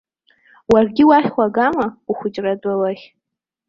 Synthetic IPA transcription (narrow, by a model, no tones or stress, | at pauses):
warɡʲɪwaχʲχʷaɡamauχʷʊt͡ʃʼradʼawaχʲ